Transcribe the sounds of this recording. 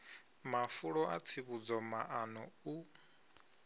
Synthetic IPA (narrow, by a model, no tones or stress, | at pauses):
mafuɺɔat͡sʰiβud͡zɔmaʔanɔu